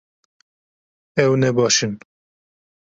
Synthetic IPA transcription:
ɛwnɛbɑːʃɨn

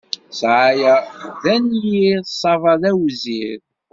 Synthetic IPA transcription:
sʕajæðænjiðsˤːɑvɑðæwzið

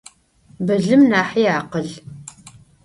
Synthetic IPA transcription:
bɐɮɨmnaːħiaːqəɮ

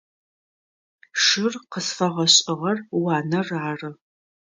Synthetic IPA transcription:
ʂɪrqəsfɐʁɐɕʼɪʁɐrwɑːnɐraːrɨ

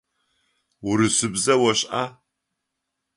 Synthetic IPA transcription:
wuɾɨsɨbzɐwɔɕʼʔaː

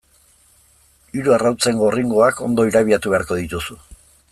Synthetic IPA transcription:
iɾuarawt͡se̞ŋɡo̞riŋɡo̞ako̞nd̪o̞iɾaβiat̪uβe̞aɾko̞ð̞it̪usu

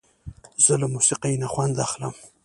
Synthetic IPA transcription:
z̥əlamusiqajnaxwand̪axlə̰m

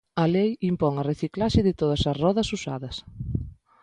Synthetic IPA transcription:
ɐlejimpɔŋɐreθiklaʃɪðɪt̪oð̞ɐsɐzrɔðɐsusa̰ðɐs

